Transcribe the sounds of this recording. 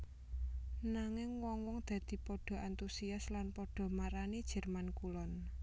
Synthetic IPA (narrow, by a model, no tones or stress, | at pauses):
naŋɪŋwɔŋwɔŋd̪̥ä̤d̪̥i̤pɔɖ̥ɔ̤ʔant̪usiaslanpɔɖ̥ɔ̤maɾanid̥ʒ̥ɛ̤rmankulɔn